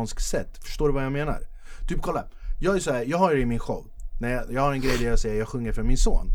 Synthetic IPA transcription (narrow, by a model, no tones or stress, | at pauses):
nsk̪sɛt̪ːfœ̥ʂʈ̪oːɖɾɵvajɑːmeːna̰ɾ | t̪ʰyːp̚kʰɔlːa | jɑːɡæjsɔhæːɾjɑːɡɦajd̪ɛɪmɪnɧɔ̰vnæɾjɑjɑːɡhaɾɛnɡɾɛjd̪æɾjasɛjːəjɑːɡɧɵŋːəɾfɾɔnmɪnso̰ːn